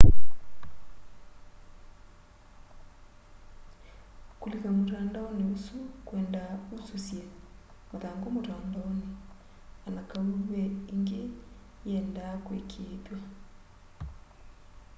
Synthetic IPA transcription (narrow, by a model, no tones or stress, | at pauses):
kulikamotandaɔniusukwɛndaususjɛ | maðaŋɡomotaːndaɔni | anakauβɛiŋɡe | jɛndakwḛkʰepja